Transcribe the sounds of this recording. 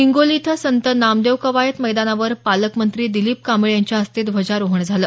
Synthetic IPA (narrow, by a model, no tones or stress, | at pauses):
iŋɡolit̪ʰəsənt̪ənamd̪eʋkəʋajət̪məjd̪anaʋəɾpaləkmənt̪ɾiːd̪iliːp̚kamiɭjaɲt͡ɕjaəst̪et̪ʋʱəd͡ʑaɾoɦəɳd͡zʱaləː